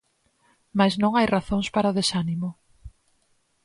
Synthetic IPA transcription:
maznõŋajraθoŋspaɾaoðesanimʊ

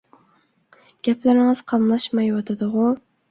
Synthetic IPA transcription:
ɡ̥ʲapʰlaɾɪŋɨz̥qʰɑmlˠaʃmajwɒt̪ʰad̪ɪʁʊ

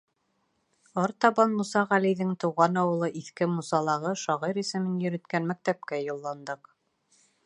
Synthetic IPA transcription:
ɒɾt̪ɑβɑnmusɑʁælijðɘŋt̪ŭwʁɑnɑwɤ̆lˠɤʔiθkɘmusɑlˠɑʁɤʃɑʁɤjɾisɘ̆mɘnjɵ̆ɾɘ̆t̪kænmæk̚t̪æp̚kæjŭlˠːɑnd̪ɤq

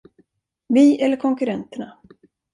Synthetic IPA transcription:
viːʔɛlːəɾkʰɔŋkɵɾɛnt̪əɳa

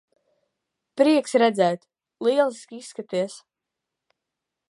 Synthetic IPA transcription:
pɾiɛksɾɛd̪zɛːt̪ | lˠiɛlˠiskʲiisːkat̪iɛs

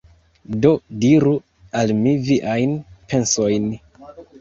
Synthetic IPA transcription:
do̞diɾu | almiviʔajnpe̞nso̞jn

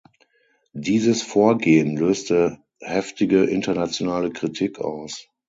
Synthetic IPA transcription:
diːzəsfoːɐɡeːənløːstə | hɛftɪɡəʔɪntɐnat͡sjonaːləkʁ̥itʰikʰa̰ʊs

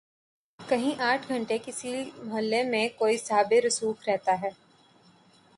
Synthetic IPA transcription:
kɐɦĩʔaːʈʰɡʱɐ̃ɳʈekɪsimɐɦəlːemẽkoːisaːbeɾʊsuːkɾɛɦt̪aɦɛː

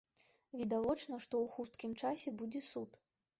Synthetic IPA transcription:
vʲid̪avɔt͡ʂnɐʂt̪ɔwxust̪kʲimt͡ʂasʲɛbud͡zʲɛsut̪

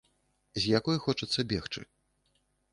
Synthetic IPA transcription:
zʲjakɔjxɔt͡ʂɐt̪sːɐbʲɛxt͡ʂɨ̰

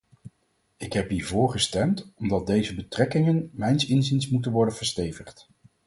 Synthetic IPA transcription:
ɪkɦɛpɦiːɹvʊːɹχəstɛmtɔmdɑt̚dejzəbətrɛkɪŋənmɛjnsɪnzɪnsmutənʋɔɹdənv̥əɹstejvəχt

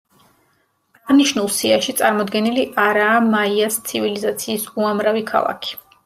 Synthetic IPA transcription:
aʁniʃnulˠsiaʃit̪sʼaɾmɔd̪ɡɛniliʔaɾaːmaiast̪sʰivilizat̪sʰiːsuamɾavikʰa̰lˠa̰kʰi̥

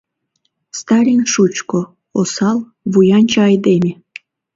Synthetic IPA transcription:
st̪ɑɾʲinʲʃut͡ɕko | osɑlˠ | βujɑnʲt͡ɕɑɑjd̪emʲe

